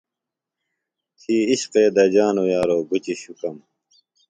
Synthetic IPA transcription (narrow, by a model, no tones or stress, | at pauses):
t̪ʰiːiɕqeːd̪ɐd͡ʑaːnojaːɾoːɡut͡ɕiɕukɐm